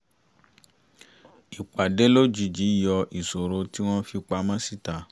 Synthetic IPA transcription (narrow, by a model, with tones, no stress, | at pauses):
i˨k͡pa˨de˨˦lo˦d͡ʒi˨˧d͡ʒi˨˦jɔ˧ʔi˨so˨ɾo˧ti˦w̃ɔ̃˦fi˧˦k͡pa˧˦mã˦si˦ta˨˦